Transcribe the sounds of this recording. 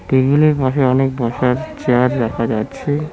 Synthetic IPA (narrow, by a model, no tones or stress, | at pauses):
ʈeɡuleɾbaʃeɔnek̚bɔʃaɾt͡ɕaɾdɛkʰad͡ʑatːɕʰe